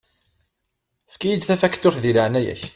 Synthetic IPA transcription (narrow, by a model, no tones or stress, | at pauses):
fkijəd͡zθæfækːt̪ːʊɾθðiləʕnæjæ̰ç